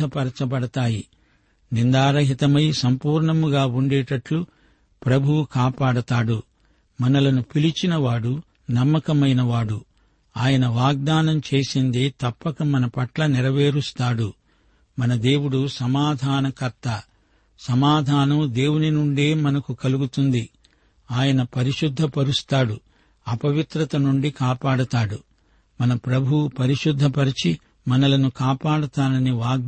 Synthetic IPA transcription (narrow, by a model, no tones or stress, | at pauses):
ɐpɐɾɐt͡ʃɐpɐɽɐt̪aːji | nind̪aːɾɐɦit̪ɐmɐjsɐmpuːɾɳɐmuɡaːuɳɖeːʈɐʈlu | pɾɐbʱuʋukaːpaːɽɐt̪aːɽu | mɐnɐlɐnupilit͡ʃinɐʋaːɽu | nɐmːɐkɐmɐjnɐʋaːɽu | aːjɐnɐʋaːɡ̚d̪aːnɐmt͡ʃeːsind̪eːt̪ɐpːɐkɐmɐnɐpɐʈlɐnɛɾɐʋeːɾust̪aːɽu | mɐnɐd̪e̞ːwuɽusɐmaːd̪ʱaːnɐkɐɾt̪ɐ | sɐmaːd̪ʱaːnɐmd̪e̞ːwuninuɳɖe̞ːmɐnɐkukɐluɡut̪und̪i | aːjɐnɐpɐɾiʂud̪ʱːɐpɐɾust̪aːɽu | ɐpɐʋit̪ɾɐt̪ɐnuɳɖikaːpaːɽɐt̪aːɽu | mɐnɐpɾɐbʱupɐɾiʂud̪ʱːɐpɐɾit͡ʃi | mɐnɐlɐnukaːpaːɽut̪aːnɐniʋaːɡ̚